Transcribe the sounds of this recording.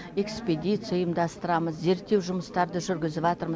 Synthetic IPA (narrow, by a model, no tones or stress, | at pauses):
e̞kspʲed̪ʲit̪sɨjajəmd̪ɑst̪əɾɑməzze̞ɾt̪ːe̞wʒʊməst̪ɑɾd̪əʒʏɾɡʲɪzɪβɑt̪əɾmə